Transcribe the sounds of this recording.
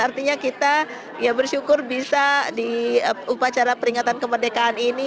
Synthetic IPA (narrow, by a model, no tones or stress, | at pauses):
art̪iɲakit̪a | jabərʃukʊrbisadiupat͡ʃaɾapəɾiŋat̪ankəmərdekaːnini